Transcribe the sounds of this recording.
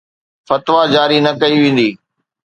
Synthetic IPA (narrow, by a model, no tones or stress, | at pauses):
fɐt̪ʋad͡ʑaːɾinɐkɐiʋẽːn̆d̪iː